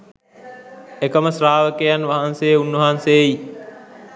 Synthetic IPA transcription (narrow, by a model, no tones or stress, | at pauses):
ekəməsɾaːʋəkejanʋaɦanseːunʋəɦansei